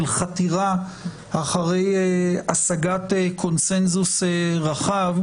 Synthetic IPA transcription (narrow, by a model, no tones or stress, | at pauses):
lχatiʁa | aχaʁe̞jeasaɡatekʰo̞nse̞nzuseʁaχav